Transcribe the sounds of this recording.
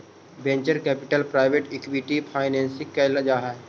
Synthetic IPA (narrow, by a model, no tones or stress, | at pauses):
bẽːɲt͡ʃəɾkɛːpɪʈəlpɾaːɪʋeʈɛkwiʈipʰaːɪnɛ̃ːnsɪkːelɐd͡ʒaːɦa